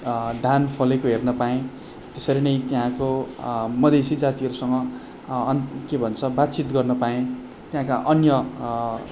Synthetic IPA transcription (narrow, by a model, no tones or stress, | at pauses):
d̪ʱanpʰʌlekoɦernʌpaẽ | t̪esʌɾinʌjt̪jɦãkomʌd̪esid͡zat̪iɦʌɾusʌŋɡʌ | nkebʱʌnt͡sʰʌbat̪t͡sit̪ɡʌrnʌpaẽ | t̪jɦãkaʔʌnjʌ